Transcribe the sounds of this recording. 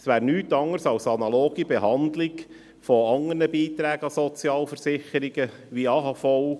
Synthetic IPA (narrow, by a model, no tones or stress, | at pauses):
sʋæːɾnyːtɑŋəɾsɑlsɑnɑloːɡibɛɦɑnd̪lɪɡ | fɔɑŋənəbiːt̪ɾæːɡəɑsɔt͡sjɑːlfəɾsɪχəɾiɡə | ʋiɑɦɑfɔʊ